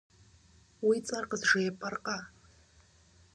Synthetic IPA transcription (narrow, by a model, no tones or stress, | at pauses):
wit͡sʼarqʼəzʐejpʼarqʼa